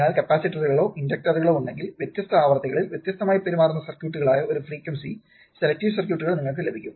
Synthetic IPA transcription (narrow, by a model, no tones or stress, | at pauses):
eaːlkɐpːaːsiʈːɐðuɣɐɭo̞ːʔindɐk̚ʈɐruɣɐɭo̞ːuɳɖe̞ŋɡilʋjet̪jɐst̪ɐaːʋɐrt̪ːiɣɐɭilʋjet̪jɐst̪ʰɐmaːjipeɾumaːrunːɐsɐrkjuːʈːuɣɐɭaːjɐoɾufriːkːɐmsḭ | se̞lɐk̚ʈːiːʋsɐrkjuːʈːuɣɐɭniŋːɐɭk̬ːɨlebʱikʲːum